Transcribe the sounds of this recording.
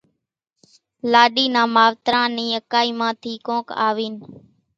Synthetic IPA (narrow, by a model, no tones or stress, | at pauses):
laːɗiːnãːmaːʋt̪ɾãːnĩːəkaːiːmãːt̪ʰiːkõːka̰ːʋiːn